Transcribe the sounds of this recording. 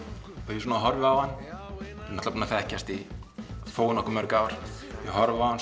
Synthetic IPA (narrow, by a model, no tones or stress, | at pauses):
ɛjɛs̬uːnaɦɔɾvɪawhanːunat̪lapunafɛhcast̪i | foːwnɔhkʏmœɾkaːwaɾ̥ | jɛɣhɔɾvɪawhan